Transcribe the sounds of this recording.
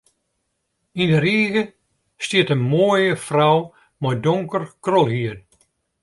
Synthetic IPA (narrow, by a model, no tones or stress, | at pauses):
indəɾiːɣə | stiətənmoːjəfrɔw | mɔjdoŋkərkrɔlˠhiən